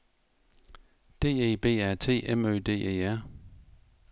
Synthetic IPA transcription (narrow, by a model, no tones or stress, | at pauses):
d̥e̝̰ːe̝̰ːb̥e̝̰ːæɐ̰t͡sʰe̝̰ːʔemø̰ːd̥e̝̰ːʔḛːæɐ̰